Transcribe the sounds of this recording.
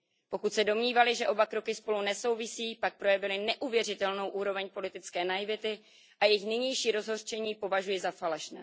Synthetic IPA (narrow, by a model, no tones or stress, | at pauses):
po̞kut̪sɛdo̞mɲiːvalɪʒɛʔo̞bakɾo̞kɪspo̞lunɛso̞wvɪsiːpak̚pɾo̞jɛvɪlɪnɛʔuvjɛrɪt̪ɛlno̞wʔuːɾo̞vɛɲpo̞lɪt̪ɪt͡skɛːnajɪvɪt̪ɪ | ʔajɛjɪxnɪɲɛjʃiːɾo̞zɦo̞rt͡ʃɛɲiːpo̞vaʒujɪzafalɛʃnɛ̰ː